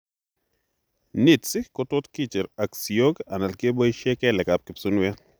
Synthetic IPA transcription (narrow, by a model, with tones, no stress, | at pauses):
ni˨tsɪ˦kɔ˦tʊ˦tki˦t͡ʃɪ˨ɾa˨ksi˨o˦ɡa˨na˨lke˦bo˦iʃe˦kɛ˦lɛ˨kap̚kɪ˨psu˦nwɛ˦